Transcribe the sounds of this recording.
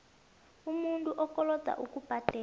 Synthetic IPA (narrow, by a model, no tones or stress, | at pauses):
umuntʼuʔɔkʼɔlɔd̥ʱa̰ʔukʼub̥ʱad̥ʱɛ